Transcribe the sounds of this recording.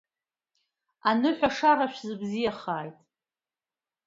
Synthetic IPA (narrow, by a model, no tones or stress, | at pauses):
anɨħʷᶣaʂaɾaʃᶣʷzɨbzijaχaːjtʼ